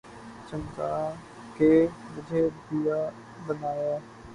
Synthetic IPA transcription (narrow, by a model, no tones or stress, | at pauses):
t͡ʃəmkaː | keːʋəd͡ʒʱeːbijaː | bənaːjaː